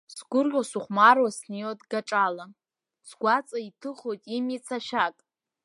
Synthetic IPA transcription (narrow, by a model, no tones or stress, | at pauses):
sɡʷʊrʒʲʷasuχʷmarwasnijotɡaʈ͡ʂʼala | sɡʷat͡sʼaitʰɨχojtʼimit͡sʰaʃakʼ